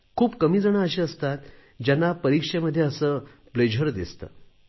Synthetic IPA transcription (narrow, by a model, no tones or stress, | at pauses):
kʰuːpkəmiːd͡zəɳ̃aəɕiəst̪at̪ | d͡ʑanːapəɾikʂeməd̪ʱːjeəsəː | bled͡ʑʱəɾd̪ist̪ə̰